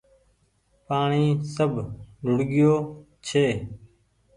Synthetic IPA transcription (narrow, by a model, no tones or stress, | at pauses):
paːɳiːsəbʱɖʊɽɠɪjoː | t͡ʃʰeː